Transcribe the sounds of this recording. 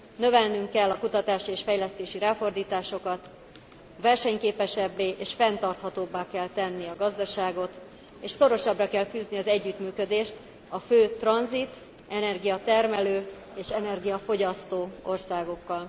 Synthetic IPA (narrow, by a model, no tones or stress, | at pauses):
nø̞vɛlnyŋkːɛlːɒkut̪ɒt̪aːʃieːʃfɛjlɛst̪eːʃiɾaːfo̞rd̪iːt̪aːʃo̞kɒt̪ | vɛrʃɛɲkeːpɛʃɛbːeːʔeːʃfɛnt̪ɒrt̪hɒt̪oːbːaːkɛlt̪ɛnːiɒɡɒzd̪ɒʃaːɡo̞t̪ | eːʃso̞ɾo̞ʃɒbrɒkɛlfyːzniɒzɛɟːyt̪myːkød̪eːʃt̪ | ɒføːt̪rɒnzit̪ | ɛnɛrɡijɒt̪ɛrmɛløː | eːʃɛnɛrɡijɒfo̞ɟɒst̪oːo̞rsaːɡo̞kːɒl